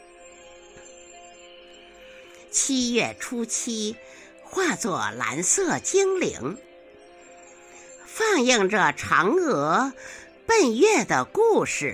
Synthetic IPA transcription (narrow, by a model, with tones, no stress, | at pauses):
t͡ɕʰi˥ɥɛ˥˩ʈ͡ʂʰu˥t͡ɕʰi˥ | xwa˥˧t͡swɔ˥˩la̰˧˥nsɤ˥˩t͡ɕi˥ŋlḭ˧˥ŋ | fɑ˥˧ŋji˥˩ŋʈ͡ʂə˩ʈ͡ʂʰɑ˧˥ŋɤ˧˥ | pə˥˧nɥɛ˥˩d̪ə̰˩ku˥˩ʂɻ̩˨˩